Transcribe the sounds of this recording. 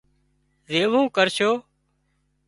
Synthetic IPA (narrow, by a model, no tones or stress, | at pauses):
zeːʋũːkəɾʃoː